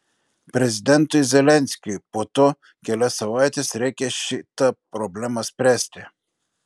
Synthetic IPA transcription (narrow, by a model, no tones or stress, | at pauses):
pɾɛzid̪ɛnt̪oizɛlɛnsʲkʲipot̪ɔ | kʲɛlɛsɐvajt̪ɛsɾɛkʲɛʃit̪apɾɔblɛmaspɾɛst̪ʲɛ